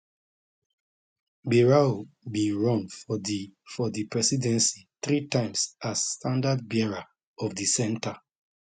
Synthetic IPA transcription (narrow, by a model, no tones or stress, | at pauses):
biɹaobĩnɹɔ̃ŋf | fɔðipɹɛsidɛ̃nsiθɹitãɪ̃msasːtãndad̚bɛɹa | ɔvdisɛ̃nta